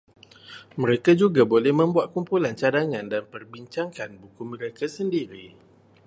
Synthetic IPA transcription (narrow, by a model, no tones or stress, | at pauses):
məɾekad͡ʒuɡabolɛhmə̃mbuat̪̚kumpulant͡ʃadaŋandanpərbiɲt͡ʃaŋkanbukumə̃ɾekasəndiɾi